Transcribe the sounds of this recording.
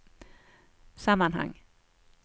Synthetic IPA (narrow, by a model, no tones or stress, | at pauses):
samanha̰ŋ